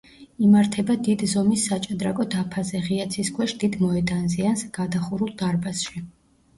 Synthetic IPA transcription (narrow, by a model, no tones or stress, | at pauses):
imaɾt̪ʰɛbad̪id̪zɔmisːat͡ʃʼad̪ɾakʼɔd̪apʰazɛʁiat̪sʰiskʰwɛʃd̪̥id̪mɔɛd̪anziansɡ̥ad̪aχuɾulˠd̪aɾbasʃi